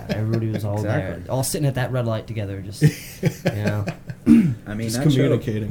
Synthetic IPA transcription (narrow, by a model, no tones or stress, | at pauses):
ɛvɹibɔɾiwʌzɔlˠðə˞ɔlˠsɪɾɪ̃ŋɨt̪̚ðɨʔ̚ɹɛdˡlaɪtʰɨɡɛðə˞d͡ʒʌst | jɨnoʊ | aɪmĩskʰəmjʉnɨkʰeɪɾɪ̃ŋ